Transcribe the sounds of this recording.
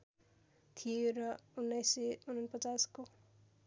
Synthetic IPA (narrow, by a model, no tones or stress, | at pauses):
t̪ʰijoɾʌunːʌjseunʌnpʌt͡sasko